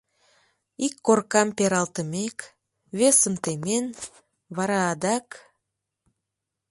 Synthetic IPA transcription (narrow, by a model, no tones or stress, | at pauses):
ikːorkɑmpeɾɑlˠt̪əmek | βesə̆mt̪emen | βɑɾɑːd̪ɑk